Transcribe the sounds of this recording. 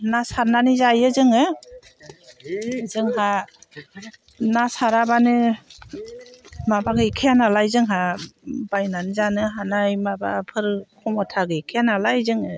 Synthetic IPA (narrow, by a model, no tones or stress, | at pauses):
nasaɾnanizajɯzɯŋɯ | zɯŋɦa | nasaɾabanɯ | mabaɡɯkʰeanalajzɯŋɦabajnanɯzanɯɦanajmaba̰pʰɯɾkʰɔmɔtʰaɡɯikʰeanalajzɯŋɯ